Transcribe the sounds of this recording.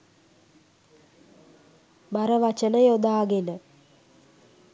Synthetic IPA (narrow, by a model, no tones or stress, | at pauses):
baɾəʋat͡ʃənəjod̪aːɡenə